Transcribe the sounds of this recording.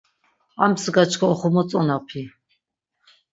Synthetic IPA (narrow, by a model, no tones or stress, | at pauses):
amsɡat͡ʃʰkʰɔɔχɔmɔt͡sʼɔnapʰi